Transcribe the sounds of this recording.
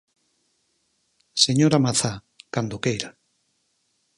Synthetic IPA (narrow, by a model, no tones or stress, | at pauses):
seɲoɾamaθa | kand̪okejɾa